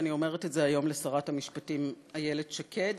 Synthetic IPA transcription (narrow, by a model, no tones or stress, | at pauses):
nio̞me̞ʁetetzeajo̞mlesaʁathamiʃpatim | aje̞le̞dʃakʰe̞d